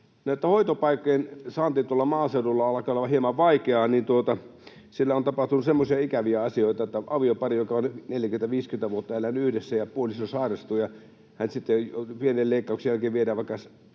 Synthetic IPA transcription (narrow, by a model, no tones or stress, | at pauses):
noˑet̪ːæhoit̪opɑikːojensɑːnt̪iːt̪uolːɑmɑːseudulːɑɑlɑkɑolːɑɑhiemɑʋʋɑikeɑːnint̪uot̪ɑ | silːæont̪ɑpɑht̪unusemːosiɑikæʋiæɑsioit̪ɑet̪ːæɑʋiopɑrijokɑonneljækyment̪æʋiːskyment̪æʋuot̪ːɑelːænyyhdesːæjɑpuolisosɑːrɑst̪uːjɑ | hænsit̪ːepienelleikːɑˑuksjælkeːʋʋiedæːʋɑˑikːɑs